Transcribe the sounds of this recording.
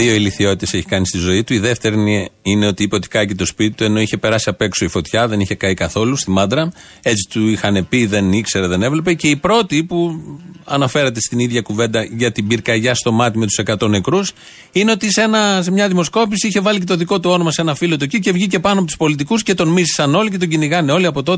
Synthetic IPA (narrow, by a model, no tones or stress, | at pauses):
ðio̞iliθio̞t̪it̪ese̞çi̥kɐnist̪izo̞it̪uiðe̞ft̪e̞ɾniine̞o̞t̪iipeot̪i̥kɐicet̪o̞spit̪it̪ue̞no̞içe̞pe̞ɾɐsiɐpe̞kso̞ifo̞t̪çɐðe̞niçe̞kɐikɐθo̞lust̪imɐd̪ɾɐ | e̞t͡si̥t̪uixɐne̞piðe̞nikse̞ɾeðe̞ne̞vle̞p̬ece̞ipɾo̞t̪ipuɐnɐfe̞ɾɐt̪e̞st̪iniðʝɐkuve̞nd̪ɐʝɐt̪ibiɾkɐʝɐst̪o̞mɐt̪ime̞t̪u̥se̞kɐt̪o̞ne̞kɾus | ineo̞t̪isenɐsemɲɐðimo̞sko̞pisiiçe̞vɐlice̞t̪oðiko̞t̪uo̞nomɐse̞nɐfilo̞t̪ucice̞vʝice̞pɐnoɐpot̪u̥spo̞lit̪̬ikusce̞t̪o̞nmizisɐno̞licet̪o̞ɲɟiniɣɐneo̞liɐpo̞t̪o̞t̪